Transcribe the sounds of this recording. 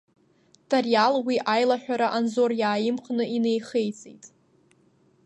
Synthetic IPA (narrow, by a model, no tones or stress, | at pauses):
tʰarjalwiʔajlaħʷᶣaɾaʔanzo̞rjaːjɪmχʼnɨʔinejχejt͡sʼḛjtʼ